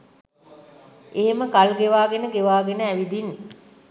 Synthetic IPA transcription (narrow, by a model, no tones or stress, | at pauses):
eɦeməkalɡeʋaːɡenəɡeʋaːɡenəæʋid̪inː